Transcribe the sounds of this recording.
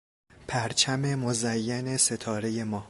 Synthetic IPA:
pʰæɾt͡ʃʰæme̞mozæjːæne̞se̞t̪ʰɒːɾe̞je̞mɒː

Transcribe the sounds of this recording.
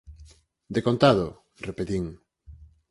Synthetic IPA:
d̪ekont̪aðo | repet̪iŋ

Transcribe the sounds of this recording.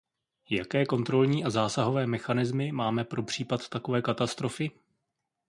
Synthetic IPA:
jakɛːko̞nt̪ɾo̞lɲiːʔazaːsaɦo̞vɛːmɛxanɪzmɪmaːmɛpɾo̞pr̝̥iːpat̪t̪ako̞vɛːkat̪ast̪ɾo̞fɪ

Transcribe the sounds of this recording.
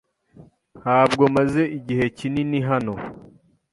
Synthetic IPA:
haːb̚ɡo̞maze̞ʔiɟihe̞cininiɦano̞

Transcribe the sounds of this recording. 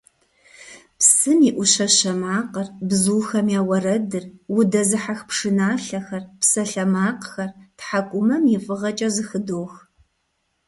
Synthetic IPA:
psɨmiʔʷʊʃɐɕɐmaːqərbzuːxɐmjaːwɐrɐdɨrwʊdɐzɨħaxpʰʂɨnaːɬɐxɐrpsɐɬɐmaːqxɐrtħakʷʼʊmɐmjifʼɨʁɐt͡ʃʼɐzɨxɨdoːx

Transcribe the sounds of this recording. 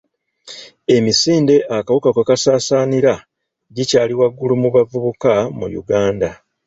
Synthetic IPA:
e̞misiːnde̞ʔakawukakakasaːsaːniɾa | ɟicaːliwaɡːulumuβavuβukamṵjṵɡaːnda

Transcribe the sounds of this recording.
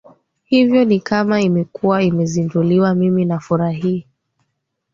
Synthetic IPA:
hivjɔnikamaimɛkuwaimɛzinduliwamiminafuɾaɦi

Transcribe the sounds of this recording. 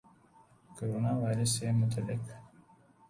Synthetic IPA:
koɾonɑwajɾəsemʊt̪alɪk

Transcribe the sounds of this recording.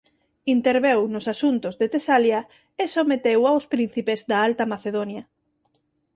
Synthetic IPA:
int̪eɾβewnʊsasunt̪ʊzðet̪esaljɐ | esomet̪ewawspɾin̟θipezd̪aalt̪ɐmaθeðonjɐ

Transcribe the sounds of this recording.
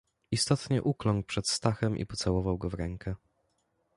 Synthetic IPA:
ist̪ɔt̪ɲɛʔuklɔŋk̚pʂɛt̪st̪axɛmʔḭpɔt̪sawɔvawɡɔvɾɛŋkʰɛ

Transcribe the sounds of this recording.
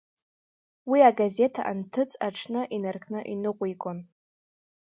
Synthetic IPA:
wiaɡaze̞tʰa̰ʔantʰɨt͡sʼaʈ͡ʂʰnɨʔinarkʰʼnɨʔinɨqʷʼijkʷʼon

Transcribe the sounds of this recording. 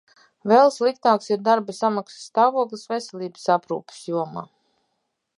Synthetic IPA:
vɛlˠslˠikt̪aːksiɾd̪aɾbasamaksḁst̪aːvuɔklˠisvesɛlʲˠiːbə̥sapɾṵːpə̥sjuɔma̰ː

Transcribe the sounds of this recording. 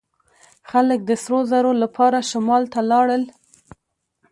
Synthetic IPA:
xalək̚d̪əsɾozaɾolapʰɑɾaʃamɑlt̪alɑɽəl

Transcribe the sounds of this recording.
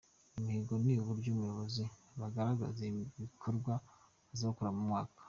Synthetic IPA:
imihiɡo̞niβuɾɟumujo̞βo̞ziβaɡaɾaɡa̰zeβikʰoɾɡwa | zaokuɾamumŋaːkḁ

